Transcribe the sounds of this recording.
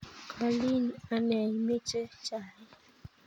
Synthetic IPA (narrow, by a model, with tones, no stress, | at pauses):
kʰa˨li˦n˨a˨nɛ˨ɲ˦me˦t͡ʃe˦t͡ʃa˦˨ɪ˦